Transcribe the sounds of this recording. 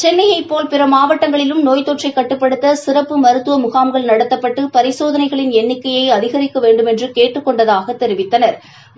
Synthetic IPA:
t͡ʃɛnːɐjɐɪpːoːlpɪɾɐmaːʋɐʈːɐŋɡɐɭɪlɯmnoːjt̪oːʈrɐɪkːɐʈːɯpːɐɽɯt̪ːɐsɪɾɐpːɯmɐɾɯt̪ːɯʋɐmʊɣaːmɡɐɭnɐɽɐt̪ːɐpːɐʈːɯpɐɾɪsoːðɐnɐɪɣɐɭɪnɛnːɪkːɐjɐɪɐðɪɣɐɾɪkːɐʋeːɳɖɯmɛndrɯkeːʈːɯkːɔɳɖɐðaːɣɐt̪ːɛɾɪʋɪt̪ːɐnɐɾ

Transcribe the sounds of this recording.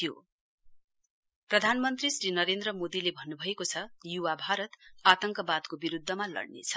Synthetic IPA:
ijo̰ | prʌd̪ʱanmʌnt̪risrinʌɾend̪rʌmod̪ilebʱʌnːubʱʌekot͡sʰʌjuwabʱaɾʌt̪at̪ʌŋkʌbad̪kobiɾud̪ʱːʌmalʌ̰ɽnḛt͡sʰʌ̥

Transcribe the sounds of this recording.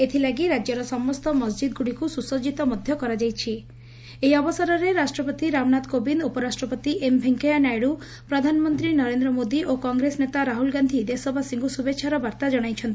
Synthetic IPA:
et̪ʰilaɡiɾad͡ʒjɔɾɔsɔmɔst̪ɔmɔsd͡ʒid̪̚ɡuɽikususɔd͡ʒit̪ɔmɔd̪ʱjɔkɔɾad͡ʒajt͡ʃʰi | ejɔbɔsɔɾɔɾeɾasʈɾɔpɔt̪iɾamnat̪kobinupɔɾasʈɾɔpɔt̪iʔembʱeŋkejanajɽu | pɾɔd̪ʱanɔmɔnt̪ɾinɔɾend̪ɾɔmod̪iʔokɔŋɡɾesnet̪aɾaɦulɡand̪ʱid̪esɔbʱasiŋɡusubetːʃʰaɾɔbaɾt̪ad͡ʒɔɽ̃ajt͡ʃʰɔnt̪i

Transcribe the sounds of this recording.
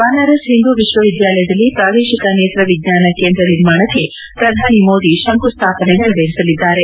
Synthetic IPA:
baːnɐɾɐsɦind̪uʋiʃʋɐʋid̪jaːlɐjɐd̪ɐlːipɾaːʋ̪eːʃikɐneːt̪ɾɐʋiɡɲaːnɐkeːnd̪ɾɐniɾmaːɳɐkːe̞ | pɾɐd̪ʱaːnimoːd̪iʃɐŋkust̪ʰaːpɐnɛɡɐɭbeːɾisɐlid̪ːaːɾe̞

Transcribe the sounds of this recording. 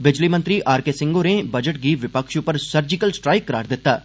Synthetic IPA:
bɪd͡ʒlimə̃nt̪ɾiʔaːɾkesɪ̃ŋɡoːnẽbɐd͡ʒəʈ̚ɡiʋɪpəkʃʊpəɾsɐɾd͡ʒɪkəlsʈɾaːɪkːɐɾa̰ːɾd̪ɪt̪ːaː

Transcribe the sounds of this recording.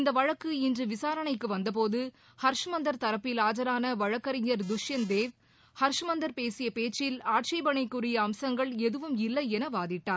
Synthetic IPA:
ɪnd̪ɐʋɐɻɐkːɯɪndrɯʋɪsaːɾɐɳɐɪkːɯʋɐnd̪ɐp̬oːðɯ | hɐɾʂɐmɐnd̪ɐɾt̪ɐɾɐpːɪlaːd͡ʒɐɾaːnɐʋɐɻɐkːɐɾɪɲɐɾd̪ʊʂjɐnd̪eːʋ | hɐɾʂmɐnd̪ɐɾpeːsɪjɐpeːt͡ʃːɪlaːʈ̚t͡ʃɐɪbɐɳɐɪkːɯrɪjɐːmsɐŋɡɐɭɛðɯʋɯmɪlːɐɪɛnɐʋaːðɪʈːaːɾ

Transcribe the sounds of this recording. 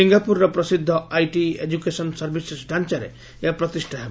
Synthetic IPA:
iŋɡapuɾɾɔpɾɔsid̪ʱːɔajʈiḛd͡ʒukesɔnsɔɾbʱisesʈant͡ʃaɾḛ | eapɾɔt̪isʈʰaɦeb

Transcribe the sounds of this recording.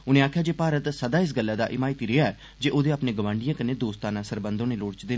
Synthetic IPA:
ʊnẽːaːkʰjaːd͡ʒeːpaːɾət̪səd̪aːɪs̬ɡəlːaːd̪a̰ːʔɪmaːɪt̪iːɾɪɦaːɛː | d͡ʒeːʔoːd̪eːapnẽːɡəʋãːɳɖɪjãːkəneːd̪oːst̪aːnãːsəɾbənd̪õːneːloːɽt͡ʃd̪eː

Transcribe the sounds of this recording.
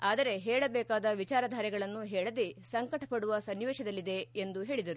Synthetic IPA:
aːd̪ɐɾe̞ɦɛːɭɐbɛːkaːd̪ɐʋit͡ʃaːɾɐd̪ʱaːɾjɛɡɐɭɐnːuɦɛːɭɐd̪esɐŋkɐʈɐpɐɽuʋɐsɐnʋeːʃɐd̪ɐlːid̪e̞ːnd̪uɦe̞ːɭid̪ɐɾu

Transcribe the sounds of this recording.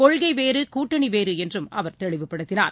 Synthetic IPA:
kɔɻɣɐɪʋeːɾɯkuːʈːɐɳiʋeːɾɯɛndrɯmɐʋɐɾt̪ɛɭɪʋɯpːɐɽɯt̪ːɪnaːɾ

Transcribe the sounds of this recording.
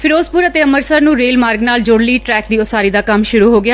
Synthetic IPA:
pʰɪɾoːspʊɾət̪eːəməɾsəɾnũːɾeːlmaːɾɡnaːld͡ʒoːɽliːʈɾɛːk̚d̪iːʊsaːɾiːd̪aːkəmʃʊɾuːɦoːɡɪaː

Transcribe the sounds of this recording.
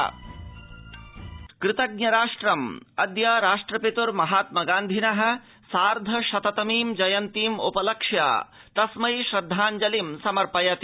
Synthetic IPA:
kɾɪt̪ɐɡ̚nɐɾaːʂʈɾɐmɐd̪jɐɾaːʂʈɾɐpit̪uɾmɐɦaːt̪̚mɐɡaːnd̪ʱinɐɦɐ̆ | saːɾd̪ʱɐʃɐt̪ɐt̪ɐmiːmd͡ʒɐjɐnt̪iːmupɐlɐkʂja̰ː | t̪ɐsmɐjʃɾɐd̪ʱːaːnd͡ʒɐlimsɐmɐɾpɐjɐt̪

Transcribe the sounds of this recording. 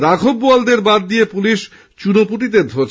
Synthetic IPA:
ɾaɡʱobːuald̪eɾbad̪̚ːijepuliʃ | t͡ɕunopuʈ̬it̪̬ed̪ʱot͡ɕ

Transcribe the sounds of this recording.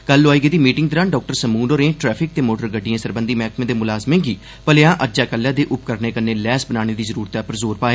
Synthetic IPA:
kəlːoaːiːɡeːd̪iːmiːʈɪŋɡ̚t̪əɾaːɳɖɔːk̚ʈəɾsəmuːnoːɾẽːʈɾɛːpʰɪk̚t̪eːmoːʈəɾɡəɖːijãːsəɾbənd̪iːmɛːkmẽːd̪eːmʊlaːzmẽːɡiː | pəleãːʔəd͡ʒaːkəlːjãːd̪eːʔʊp̚kəɾneːkəneːlɛːsbənaːɽ̃eːd̪iːzəɾuːɾt̪ɛːpəɾzoːɾpaːeː

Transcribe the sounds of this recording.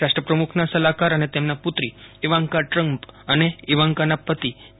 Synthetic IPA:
aʂʈɾəpɾəmukʰnasəlakaɾanet̪emnaput̪ɾiːʋaŋkaʈɾəmpəneiʋaŋkanapːət̪i

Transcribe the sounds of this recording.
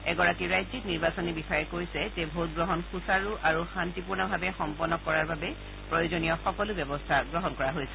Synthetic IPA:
ɛɡɔɹakiɹajzikniɹbasɔnibixajɛkoɹisɛzebʱot̚ɡɹɔɦɔnxusaɹuʔaɹuxantipuɹnɔbʱabɛxɔmpɔnɔkɔɹaɹbabɛ | pɹɔjozonijɔxɔkɔlʊbɔbɔstʰaɡɹɔɦɔnkɔɹaɦojsɛ

